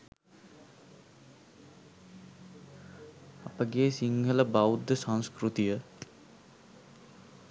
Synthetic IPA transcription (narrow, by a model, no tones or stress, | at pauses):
apəɡeːsiŋɡʱələbawud̪əsãñskɾut̪ijə